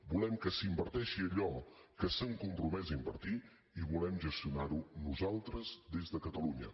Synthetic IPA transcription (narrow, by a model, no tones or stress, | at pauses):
bulɛmkəsimbəɾt̪ɛʃiəʎɔkəsəŋkumpɾumɛzəimbə̰ɾt̪i | iβulɛmʒəst̪iunaɾunuzalˠt̪ɾəzd̪ezðəkət̪əluɲə̰